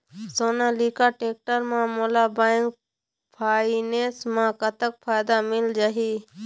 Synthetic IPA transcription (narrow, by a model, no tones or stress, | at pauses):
soːnãːliːkaːʈeːk̚ʈəɾmãːmoːlaːbaːɪŋk̚ | pʰaːineːsmãːkət̪ək̚pʰaːjd̪aːmɪld͡ʒaɦiː